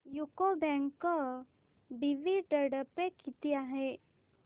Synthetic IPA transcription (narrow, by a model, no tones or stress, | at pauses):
jukobɛ̃ŋkə | biʋiɖəɽəpekit̪iaɦe